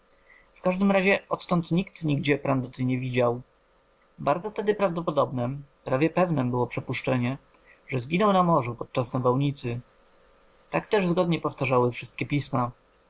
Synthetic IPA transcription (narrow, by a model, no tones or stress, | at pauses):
fkaʐd̪ɘmɾaʑɛɔt̪t̪ɔnt̪ɲikt̪ɲiɡd͡ʑɛpɾand̪ɔt̪ɛɲɛvʲid͡ʑaw | baɾd̪zɔft̪ɛd̪ɘpɾavd̪ɔpɔd̪ɔbnɛpɾavʲjɛpɛvnɛmbɘwɔpʂɛpuʂt͡ʂɛɲɛ | ʐɛzɡʲinɔwnamɔʐupɔt̪̚t͡ʂasnavawɲit̪sɘ | t̪akt̪ɛʐzɡɔd̪ɲɛpɔft̪aʐawɘfʂɘst̪̚kʲɛpʲisma